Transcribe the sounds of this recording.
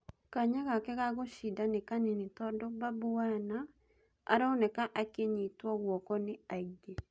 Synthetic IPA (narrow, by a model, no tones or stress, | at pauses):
kaɲaɣakɛɣaɣoʃidanɪkaninit̪ɔdɔbabuana | a̰ɾaonɛkaʔakeɲit̪wɔɣwɔkɔnɪaɡe